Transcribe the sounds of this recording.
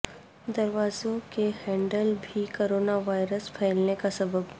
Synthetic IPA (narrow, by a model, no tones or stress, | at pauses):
d̪ɐɾʋaːzõkehɛ̃ːɳɖəlbʱikoːɾoːnaʋaːɪɾəspʰɛːɪlnekasɐbəb